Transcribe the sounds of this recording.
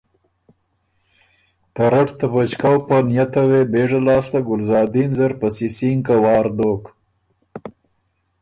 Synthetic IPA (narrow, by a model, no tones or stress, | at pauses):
t̪aɾaʈt̪abat͡ʃkawpanjat̪awebeːʐalɑːst̪aɡʊlzɑːd̪inzaɾpasisiŋkawɑːɾd̪oːk